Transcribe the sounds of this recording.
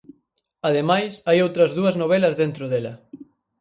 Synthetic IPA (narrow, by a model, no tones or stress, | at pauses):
ɐðemajsajowt̪ɾɐzðuɐznoβ̞ɛlɐzðent̪ɾʊðelɐ